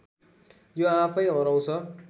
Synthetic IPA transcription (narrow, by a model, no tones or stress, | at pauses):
joapʰʌjɦʌɾʌw̃t͡sʰʌ